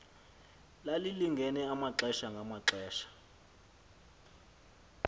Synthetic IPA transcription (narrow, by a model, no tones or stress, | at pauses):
laliliŋɡʱɛnɛamaǁɛʃaŋɡʱamaǁɛːʃḁ